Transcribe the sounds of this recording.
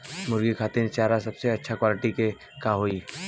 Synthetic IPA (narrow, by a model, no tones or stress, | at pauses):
mʊɾɡikʰaːt̪ent͡ʃaːɾasɐbseɐtːʃʰakwaːlɪʈike | kaːɦoːi